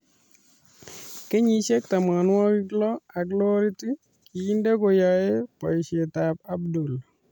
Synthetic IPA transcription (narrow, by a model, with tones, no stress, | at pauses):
ke˦ɲi˨ʃe˦k̚t̪a˨ma˨nwɔ˦ki˦klɔ˦a˨ɡlo˦ɾi˦ti˦ | ki˨i˦nde˦ko˨jɔ˨e˦pɔ˨i˨ʃe˨ta˨ba˦bdu˨l